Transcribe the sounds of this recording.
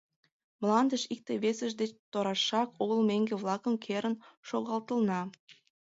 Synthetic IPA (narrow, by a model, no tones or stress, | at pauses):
mlɑnd̪əʃik̚t̪eβesəʒd̪et͡ɕt̪oɾɑʃɑkoɣəlmeŋɡeβlɑkəmkʰeɾənʃoɣɑlt̪əlnɑ